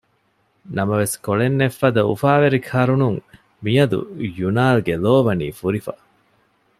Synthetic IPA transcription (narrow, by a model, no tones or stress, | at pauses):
nɐmɐʋeskoɭenːefːɐd̪ɐṵfaːʋeɾikʰɐɾunuŋ | mijɐd̪ṵjunaːlɡeloːʋɐniːfuɾifɐ̰